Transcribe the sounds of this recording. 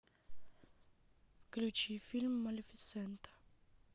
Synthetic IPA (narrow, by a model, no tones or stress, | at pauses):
klut͡ʃifilmːɐlifisːɛnt̪ɐ̥